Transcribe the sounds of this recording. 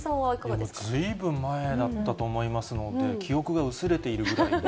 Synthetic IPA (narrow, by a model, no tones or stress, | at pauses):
okomozɨibɯ̟̃mːae̞d̪at̪ːat̪o̞ːmo̞imasɨno̞d̪e̞kʲʰio̞kɯ̟ɡaɯ̟sɨɾe̞t̪e̞iɾɯ̟ɡɯ̟ɾai